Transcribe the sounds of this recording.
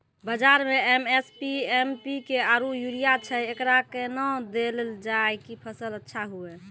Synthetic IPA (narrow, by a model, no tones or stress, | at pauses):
bəd͡ʒaɾmeemespiempikeaɾujuɾijat͡ʃʰɛekɾakenɔ̃d̪eld͡ʒajkipʰəsələtːʃʰaɦuɛ